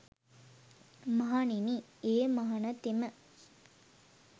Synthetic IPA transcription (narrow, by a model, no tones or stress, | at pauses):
mɐɦanini | eːmɐɦɐnɐt̪emə